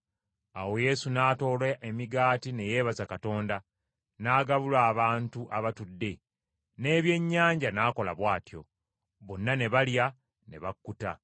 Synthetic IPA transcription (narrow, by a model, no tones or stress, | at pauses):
awo̞je̞sunaːto̞ːlaʔemiɡaːtine̞je̞ːβazakato̞ːnda | naːɡaβulwaːβaːntuʔaβatudːe̞ | ne̞ːβje̞ɲːaːɲɟanaːko̞la̰βwaːtjo̞̰ | βonːane̞βalja | ne̞̰βakːuta